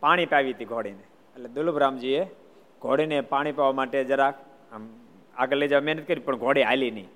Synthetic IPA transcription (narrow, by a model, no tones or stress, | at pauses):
paːɽ̃ipaːʋit̪iɡʱoɽine | əled̪ʊlubʱɾaːmd͡ʒie | ɡʱoːɽinepaːɽ̃ipaːʋamaːʈed͡ʒəɾa | m | a̰kələid͡ʒaːʋmɛɦnət̪̚kəɾipəɳɡʱoːɽiaːjlinəĩ